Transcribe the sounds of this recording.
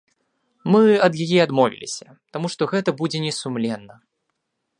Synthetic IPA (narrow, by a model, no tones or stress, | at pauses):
mɨɐd̪jajɛad̪mɔvʲḭlʲḭsʲɐ | t̪amuʂt̪ɔɣɛt̪ɐbud͡zʲɛnʲɛsumlʲɛnːɐ